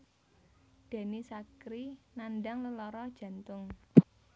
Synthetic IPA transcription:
d̪̥e̤nisakɾinanɖaŋləlɔɾɔd̥ʒ̥ä̤nt̪ʊŋ

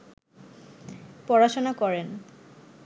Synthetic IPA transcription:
pɔɹaʃonakɔɾen

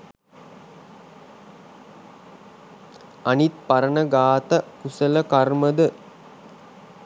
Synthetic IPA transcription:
ɐnit̪̚pɐɾɐnɐɡaːt̪ɐkusɐlɐkɐrməd̪ə

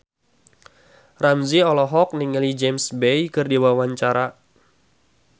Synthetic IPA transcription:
ramziɔlɔɦɔk̚niŋəlid͡ʒemsbejkɨrdiwawaɲt͡ʃaɾa

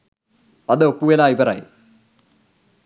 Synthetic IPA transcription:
ɐðɨopːujɐlaːiʋɐra̰ːjḭ

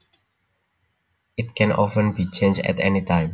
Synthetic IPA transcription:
ɪtkʰɛ̃nɔ̰fə̃nbit͡ʃẽnd͡ʒdɛ̰tɛ̰nitãɪ̃m

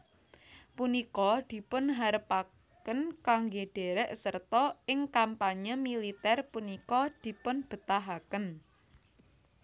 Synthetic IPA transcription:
punikɔd̪̥i̤pʊnɦaɾəpa | kənkaŋɡeɖ̥e̤ɾɛʔsərt̪ɔɪŋkampaɲəmilit̪ɛrpunikɔd̪̥i̤pʊnb̥ə̤t̪aɦakən

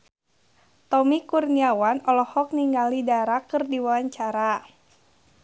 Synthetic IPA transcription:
t̪ɔmikurniawanɔlɔhɔk̚niŋɡalidaɾakərdiwawaɲt͡ʃaɾa

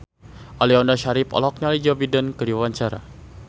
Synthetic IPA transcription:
ʔaliɔndaʃaɾipɔ̰lɔk̚ɲalid͡ʒɔbidənkədiwawaɲt͡ʃaɾa̰

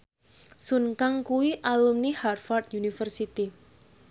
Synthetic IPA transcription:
sunkaŋkuwiʔalumniharfart̪junifərsit̪i

